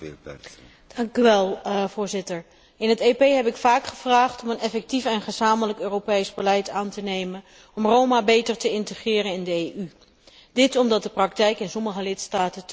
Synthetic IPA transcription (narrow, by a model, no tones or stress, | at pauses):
d̥ɑŋkyʋɛlˠvʊːɹzɪtəɹ | ɪnɦətepejɦɛpɪkfaːkχəv̥raːχtɔmənɛfɛk̚tifɛnχəzaːmələkøːropejzbəlɛjtaːntənejmən | ɔmrowmaːbejtəɹtəɪntəχɪːɾənɪndəejy | d̥ɪtɔmdɑt̚dəprɑk̚tɛjkɪnsɔməχəlɪtstaːtə